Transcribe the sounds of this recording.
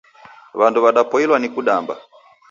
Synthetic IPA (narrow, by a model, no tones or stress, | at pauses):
βanduβaɗapɔilwanikuɗamba̰